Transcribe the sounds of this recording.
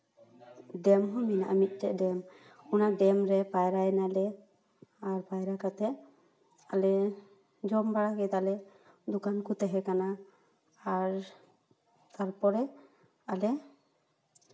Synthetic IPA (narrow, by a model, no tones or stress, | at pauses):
ɖɛmɦɔmina̰ʔa̰mit̪̚ˀt̪ɛʔdɛm | unaɖɛmɾɛpajɾajɛnalɛ | aɾpajɾakat̪ɛʔ | alɛ | d͡ʒɔmbaɽakɛt̪alɛ | d̪ukankut̪ɛɦɛkanaː | ɾ | t̪aɾpɔɾɛ | alɛ